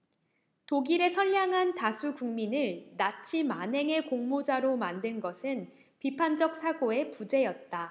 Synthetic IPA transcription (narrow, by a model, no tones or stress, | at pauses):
toɡiɾe̞sʰʌʎːaŋɦantasʰukuŋminɯɭnat͡ɕʰimanɦe̞ŋe̞koŋmod͡ʑaɾomandɯnɡʌsʰɯn | pipʰand͡ʑʌk̚s͈ʰaɡoe̞pud͡ʑe̞jʌt̚t͈a